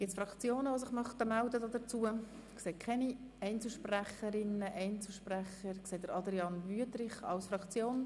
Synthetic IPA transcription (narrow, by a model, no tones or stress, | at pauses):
ɡ̥ɪtt͡sfɾɑkt͡sjoːnəvos̬ɪχmɑχt̪əmældədɔd̥ət͡suə | kseːkʰχɛni | ɛɪnt͡sl̩ʃpræχəɾɪnəʔɛɪnt͡sl̩ʃpræχəɾkseːt̚d̥əɾɑdɾiɑnvyətrɪχɑ̰lsfɾɑkt͡sjoːn